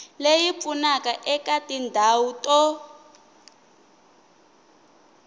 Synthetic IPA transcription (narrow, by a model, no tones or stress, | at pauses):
lejip̪funakaʔɛkatindʱautɔ